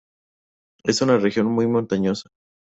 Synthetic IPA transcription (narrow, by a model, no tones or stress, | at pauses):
e̞sunarexjo̞nmujmont̪aɲosḁ